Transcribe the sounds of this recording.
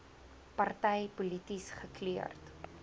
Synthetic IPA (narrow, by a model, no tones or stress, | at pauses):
pɐrtɛjpulitisχəkliə̰rt